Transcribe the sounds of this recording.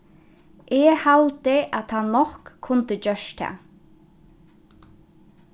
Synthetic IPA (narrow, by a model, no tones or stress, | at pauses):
ʔɛhalt̪ɪʔat̪ʰanɔkʰːʊnt̪ət͡ɕœʃt̪ʰa̰